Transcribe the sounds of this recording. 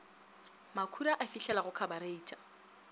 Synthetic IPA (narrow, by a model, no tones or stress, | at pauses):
makʰuɾaʔafiɬɛlaɣʊkʰabaɾeiːtʼḁ